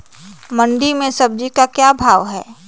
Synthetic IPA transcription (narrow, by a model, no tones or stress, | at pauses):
mɐ̃nɖ̪imẽsɐb̚d͡ʒikakjaːbʱaːʋɦɛː